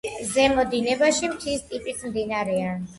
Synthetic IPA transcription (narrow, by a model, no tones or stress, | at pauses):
zɛmɔd̪inɛbaʃimt̪ʰist̪ʼipʼisʰmd̪inaɾɛan